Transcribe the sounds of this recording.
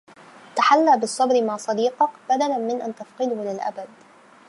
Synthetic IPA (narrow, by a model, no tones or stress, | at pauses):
t̪aħalːaːbɨsˤːɑbɾɪmaːsˤɑd̪iːqɑkbad̪alamɪnʔant̪afqɨlʊhlɪlʔa̰bad̪̚